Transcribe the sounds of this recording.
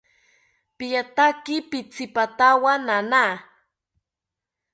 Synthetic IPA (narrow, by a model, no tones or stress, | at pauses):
pijat̪akɪpɪt͡sɪpat̪awanana